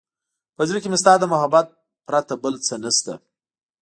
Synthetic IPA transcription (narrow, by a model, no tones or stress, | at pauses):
pəd͡ʒɾikɪmest̪ɑːd̪əmʊɦabat̪̚ | pɾat̪abəlt͡sənəst̪a̰